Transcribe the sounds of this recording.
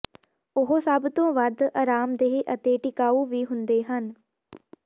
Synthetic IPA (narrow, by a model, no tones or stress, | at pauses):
ʊɦosəbt̪õːʋəɾd̪əɾaːmd̪eːʔət̪eːʈɪkaːuːʋiːɦʊnd̪eːɦən